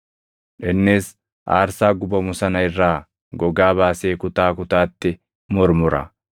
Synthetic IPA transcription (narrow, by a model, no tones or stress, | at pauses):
ᶑɛnːeːs | ʔa̰ːɾsaːɡʊbɐmʊsɐnɐɪrːaː | ɡɔɡaːβaːse̞ːkʊt̪aːkʊt̪aːt̪ːɪ | mɔɾmʊɾɐ̰